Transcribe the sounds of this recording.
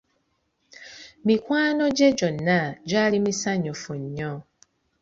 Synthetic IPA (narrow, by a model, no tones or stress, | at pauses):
mikwaːnoɟeɟonːad͡ʒalimisaɲofuɲːɔ